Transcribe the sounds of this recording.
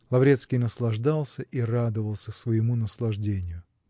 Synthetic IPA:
lˠɐvɾʲet̪skʲɪjnəslˠɐʐd̪alˠsʲəʔirad̪əvəlˠsʲəsvəjɪmunəslˠɐʐdʲenʲɪjʊ

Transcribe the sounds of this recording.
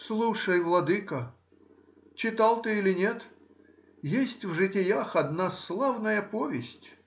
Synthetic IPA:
slˠuʂɐjvlˠɐd̪ɨkɐ | t͡ɕɪt̪alˠt̪ɨilʲɪnʲet̪ | jesʲtʲvʐɨtʲɪjaxɐd̪naslˠawnɐjɐpɔvʲesʲtʲ

